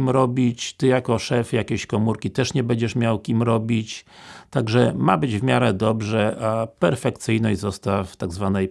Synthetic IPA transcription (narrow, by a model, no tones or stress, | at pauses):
imɾɔbʲit͡ɕt̪ɘjakɔʂɛfjakʲeɕkɔmuɾkʲit̪ɛʂɲɛbɛɲd͡ʑɛʂmʲjawkʲimɾɔbʲit͡ɕt̪aɡʐɛmabɘd͡ʑvmʲjaɾɛd̪ɔbʐɛʔapɛɾfɛkt̪sɘjnɔɕzɔst̪aft̪aɡzvanɛj